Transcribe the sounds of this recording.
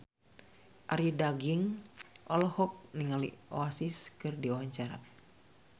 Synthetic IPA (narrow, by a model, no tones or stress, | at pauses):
ʔa̰ɾidaɡiŋʔɔlɔhɔk̚niŋalḭoasiskɨrdiowaɲt͡ʃaɾa̰